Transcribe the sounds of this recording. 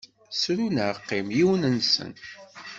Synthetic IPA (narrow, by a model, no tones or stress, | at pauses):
sɾunəɾqːimjiwnənsə̰n